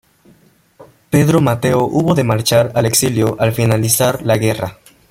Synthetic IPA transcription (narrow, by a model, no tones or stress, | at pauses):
pe̞ðɾo̞mat̪e̞oʔuβo̞ðe̞maɾt͡ʃaɾale̞ksiljo̞ʔalfinalisaɾlaɣe̞ra̰